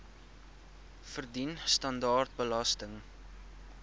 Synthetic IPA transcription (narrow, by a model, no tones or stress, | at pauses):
fərdinstɐndɑːrt̚bəlɐstəŋ